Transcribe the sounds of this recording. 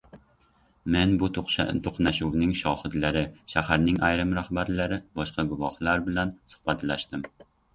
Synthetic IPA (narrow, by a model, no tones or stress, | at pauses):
menbʊt̪ʰoqnaʃuwnɪŋʃɒhɨd̪laɾɪʃahaɾnɪŋajɾɪmɾahbaɾlaɾɪbɒʃqɑɡʊvɒhlaɾbɪlansʊ̥hbat̪ʰlaʃt̪ɪm